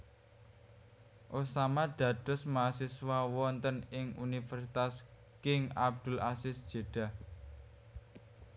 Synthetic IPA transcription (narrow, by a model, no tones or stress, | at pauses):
ʔusamad̪̥ä̤d̪̥ʊ̤smasiswawɔnt̪ənɪŋunifɛrsit̪as | kɪŋab̚d̪̥ʊ̤lʔasɪsd̥ʒ̥e̤ɖ̥a̤h